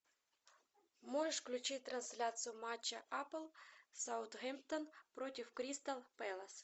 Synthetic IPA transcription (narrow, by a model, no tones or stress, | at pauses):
moʐəʂklʲʊt͡ɕɪt̚ʲt̪ɾɐnsʲlʲat̪sɨjʊmat͡ɕːɐʔaplˠsaʊt̪ɣɛmp̚t̪ənpɾotʲɪfkɾʲist̪ɐlˠpɛlˠɐs